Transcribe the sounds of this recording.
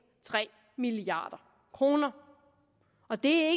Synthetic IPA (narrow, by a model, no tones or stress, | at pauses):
t͡sʰʁɛ̰ː | miliɑ̰̈ːd̥ɐ | kʰʁo̝ːnɐ | ɒ̽d̥e̝æe